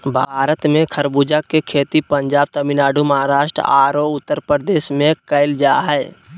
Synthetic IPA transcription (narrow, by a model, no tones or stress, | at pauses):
bʱaːɾət̪mẽkʰəɾbud͡ʒakekʰeːt̪ipə̃ɲd͡ʒaːb̚t̪əminaːɖuməɦaɾaːʃʈɾə̰aːɾoʊt̪ːəɾpɾəɾd̪eːsmẽkəɪld͡ʒaːɦɛː